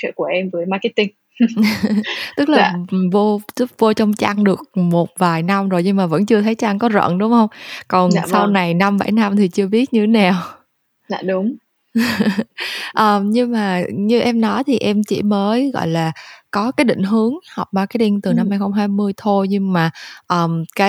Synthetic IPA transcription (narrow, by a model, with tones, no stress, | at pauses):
t͡ɕɨ̰˧˨ku˧˩əʔɛ˧mvəː˨˦jma˧ki˦˥t̪i˧ŋ | t̪ɨ˦˥k̚laː˨˩˨vo˧zu˦˥p̚vo˧t͡ɕɔ˧wŋ͡mt͡ɕaː˧ŋɗɨ˨˩ək̚mo˨˩t̚vaː˨˩jna˧mzo˨˩jɲɨ˧ŋmaː˨˩və̰˧˥nt͡ɕɨ˧ət̪ʰə˨˦jt͡ɕaː˧ŋkɔ˨˦zə̰ː˧˨nɗʊ˨˦ŋ͡mhə˧wŋ͡mkɔ˨˩n˧sa˧wna˨˩jna˧mɓa̰˧˩jna˧mt̪ʰi˨˩t͡ɕɨ˧əɓi˦˥ət̚ɲɨ˧e˨˦na˨˩w̰ | ɗʊ˨˦ŋ͡m | ʔəː˨˩mɲɨ˧ŋmaː˨˩ɲɨ˧ʔɛ˧mnɔ˨˦jt̪ʰi˨˩ʔɛ˧mt͡ɕḭ˧˩məː˨˦jɣɔ̰˧˨jlaː˨˩kɔ˨˦kaː˨˦jɗḭ̈˧˨ŋ̟ɦɨ˨˦əŋhɔ˨˩wk͡p̚ɓaː˧˩kaː˨˦jɗi˧nt̪ɨ˨˩na˧mha˧jxə˧wŋ͡mɦaː˧jmɨ˧əjt̪ʰo˧jɲɨ˧maː˨˩ʔəː˨˩mkaː˨˦